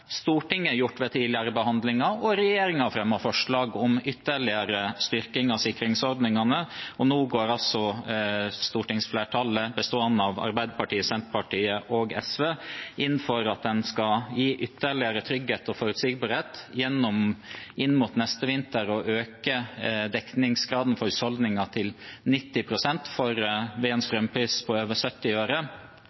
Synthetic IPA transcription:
st̪uːʈɪŋːəjʊʈːʋɛt̪ʰiːd̪lɪəɾəbəhɑnd̪lɪŋɑɔɾɛjeːɾɪŋɑfɾɛmːɑfɔʂɭɑːɡɔmʏt̪ːəɭɪəɾəst̪ʏɾkɪŋɑsɪkːɾɪŋsɔɾd̪nɪŋɑnəɔnuːɡoːɾɑlsɔ | st̪uːʈɪŋsfleːʈʰɑːləbəst̪oːənːɑʋɑ̰ɾbæɪd̪əpʰɑʈiːəsɛmp̪pʰɑʈʰiːəʔɔɡɛsʋeːʔɪn̩ːfɔɾɑt̪̚d̪ɛnskɑjiːʔʏt̪ːəɭɪəɾət̪ʰɾʏɡːheːt̪ɔfɔɾʉt̪siːɡbɑːɾheːt̪jɛnːɔmʔɪnːmʊt̪nɛst̪əʋɪnt̪əɾɔʔøːkəd̪ɛknɪŋsɡɾɑːd̪n̩fɔɾʉshɔld̪nɪŋɑt̪ʰɪlnɪt̪ːɪpʰɾʊsɛnt̪fɔɾʋeɛnst̪ɾœmpʰɾiːspʰɔøːʋəsœt̪ːɪøːɾə

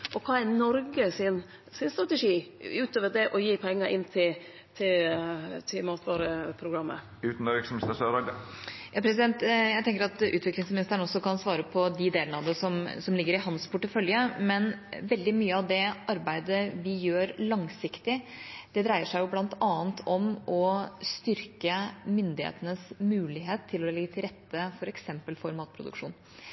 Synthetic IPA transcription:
ʔɔkʰɑːænɔɾɡəsɪn | sɪnst̪ɾɑt̪ɛʂiːʉːt̪ʰoːʋəd̪ɛʔɔjiːpʰɛŋːəɾʔɪnːt̪ʰɪ | t̪ʰɪlt̪ʰɪmɑːt̪ʋɑːɾəpʰɾʊɡɾɑmːə̰ | ʉːt̪n̩ɔɾɪksmst̪əsøːɾɑd̪əjɑːpʰɾɛs̬ɪd̪ɛnt̪jæɪt̪ɛŋkəɾɑt̪ʉːt̪ʋɪklɪŋsmɪnɪst̪əɳɔsːɔkɑnsʋɑːɾəpʰɔd̪ɪd̪eːlnɑd̪əsɔmsɔmlɪɡːəɾɪɦɑnspʰʊʈːəfœljəmɛnʋɛld̪ɪmyːəɑʋd̪ɛʔɑɾbæɪd̪əʋɪjøːɾlɑŋsɪkt̪ɪd̪̥ɛd̪ɾæɪəʂæɪjʊblɑnt̪ɑːənt̪ʰɔmɔst̪ʏɾkəmʏnd̪ɪhḛːt̪ənəsmʉːlɪɦeːt̪ʰːɪlɔlɛɡːət̪ʰɪlɾɛt̪ːəfɔɾɛksɛmpəlfɔɾmɑːt̪̚pʰɾʊ̰d̪ʉ̰kʂṵːn

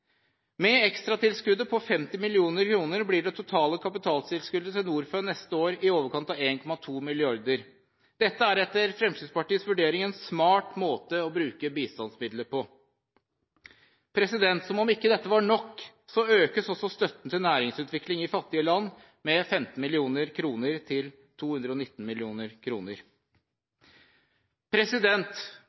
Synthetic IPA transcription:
mɛɛkst̪ɾɑt̪ɪlskʉd̪əpʰɔfɛmt̪ɪmɪlɪuːnəɾkʰɾuːnəɾblɪːɖɛt̪ʰʊt̪ʰɑːləkʰɑpɪt̪ʰɑːlsɪlskʉld̪ət̪ɪlnuːɾføːnɛst̪əoːɾɪoːʋəɾkʰɑnt̪ɑʋeːnkʰɔmɑt̪ʰuːmɪlɪɑɾd̪əɾ | d̪̥ɛt̪ːəæɾɛt̪ːəɾfɾɛmst̪id̪spɑʈiːəsʋʉɖeːɾɪŋeːnsmɑːʈmoːt̪əɔbɾʉːkəbiːst̪ɑnsmɪd̪ləpʰɔ | pʰɾɛsɪd̪ɛnt̪sɔmɔmɪkːəd̪ɛt̪ːəʋɑɳɔkː | sɔøːkəsɔsɔst̪œt̪ːn̩t̪ɪlnæːɾɪŋsʉːt̪ʋɪklɪŋɪfɑt̪ːɪəlɑnː | mɛfɛmt̪n̩mɪlɪuːnəɾkʰɾuːnəɾt̪ʰɪl | t̪ʰuːhʉnd̪ɾəɔnɪt̪ːn̩mɪlɪuːnəɾkʰɾuːnəɾ | pʰɾɛsɪd̪ɛnt̪

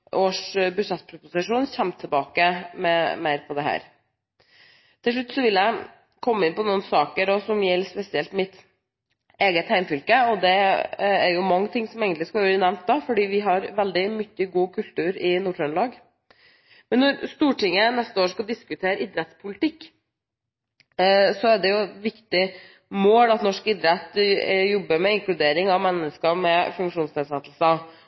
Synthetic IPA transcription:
ʔoːʂbʉʂɛt̪ːpʰɾʊpʊsɪʂuːnçɛmt̪ʰːɛbɑːkəmɛmæɪɾpʰɔd̪ɛɦæ̰ːɾ | t̪ʰɪlʂ̬ʉt̪ːsɔʋɪljæɪ | kʰɔmːəɪnpɔnuːnsɑːkəɾɔsɔmjɛlːspɛsɪɛlt̪mɪt̪ | eːɡət̪hæɪmfʏlkəɔd̪ɛæɾjʊmɑŋːət̪ʰɪŋːsɔmeːɡənlɪskɑʋøːɾənɛʋmnt̪̚d̪ɑfɔɖiːʋɪɦɑɾʋɛld̪ɪmʏçːəɡuːkʰʉlt̪ʉːɾɪnuːʈɾœnlɑːɡ | mɛnːɔɾst̪uːʈɪŋːənɛst̪əoːʂkɑld̪ɪskʉt̪ʰeːɾʔɪd̪ɾɛt̪spʰʊlɪt̪ɪkː | sɔæɖɛjʊʋɪkt̪ɪ | moːlɑt̪nɔʂkɪd̪ɾɛt̪ːjɔbːəɾmɛɪŋklʉd̪eːɾɪŋɑʋmɛnːəskəmɛfʉŋkʂuːnst̪ɪlsɛt̪ːl̩sə

